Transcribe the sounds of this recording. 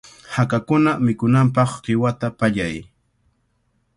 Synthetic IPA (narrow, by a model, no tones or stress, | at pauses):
hakakʊnamɪkʊnampɑχɢɪwat̪apaʎaj